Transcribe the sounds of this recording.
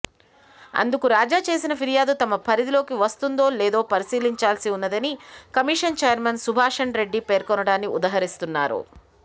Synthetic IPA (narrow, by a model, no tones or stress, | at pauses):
ɐ̰nd̪ukuɾaːd͡ʒaːt͡ʃe̞ːsinɐpʰiɾijaːd̪ut̪ɐmɐpʰɐɾid̪ilo̞ːkiʋɐst̪und̪o̞ːleːd̪o̞ːpɐɾisiːliɲt͡ʃaːlsiunːɐd̪ɐnikɐmiːʂɐnt͡ʃeːjɐɾmɐnsubʱaːʂɐɳɾe̞ɖːipeːɾkɔnɐɽaːnːiud̪aːɦɐɾist̪unːaːɾṵ